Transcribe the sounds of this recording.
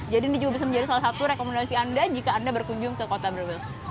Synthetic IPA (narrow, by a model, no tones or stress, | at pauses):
d͡ʒadindid͡ʒuɡabis̬amə̃ɲd͡ʒadisalasat̪uɾekomendasiandad͡ʒikaːndabərkuɲd͡ʒʊŋkəkot̪abɾiwɛls